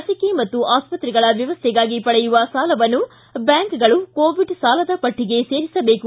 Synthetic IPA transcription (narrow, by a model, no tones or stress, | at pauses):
ɐsɐkemɐt̪ːuʔaːspɐt̪ɾiɡɐɭɐʋjɐʋɐst̪ʰɛɡaːɡipɐɽɛjuʋɐsaːlɐʋɐnːu | bjaːŋkɡɐɭukoːʋiɖsaːlɐd̪ɐpɐʈʰːiɡe̞se̞ːɾisɐbe̞ːku